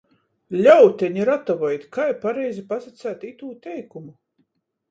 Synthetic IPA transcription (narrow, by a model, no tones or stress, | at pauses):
lʲawt̪ʲɛɲiɾat̪ɔvɔjt̪kajpaɾɛjzipasat̪sʲæːt̪it̪uːt̪ʲɛjkumu